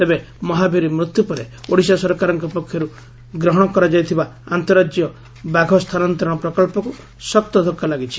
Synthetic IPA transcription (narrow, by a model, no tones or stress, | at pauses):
t̪ebe | mɔɦabiɾimɾut̪jupɔɾeoɽisasɔɾɔkaɾɔŋkɔpɔkʰjɔɾu | ɡɾɔɦɔɽ̃ɔkɔɾad͡ʒajt̪ʰibaant̪ɔɾad͡ʒjɔ | baɡʱɔst̪ʰanɔnt̪ɾɔ̃ɽ̃ɔpɾɔkɔlpɔku | sɔkt̪ɔd̪ʱɔkʰːalaɡit͡ʃʰi̥